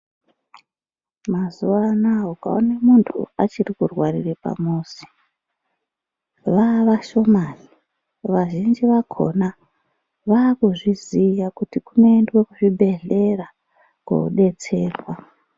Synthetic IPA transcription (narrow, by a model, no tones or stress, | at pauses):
mazuʋanaoka̰onemuntʰṵat͡ʃirikurwarḭrepa̰moːsi̥ | ʋaʋaʃo̞mari | ʋaʒind͡ʒiʋakʰo̞̰na | ʋaːkuʐizijakutikuno̞endwe̞kuʐiɓʱe̞ɮe̞ra | kwo̰ṵɗe̞t͡se̞ːrwa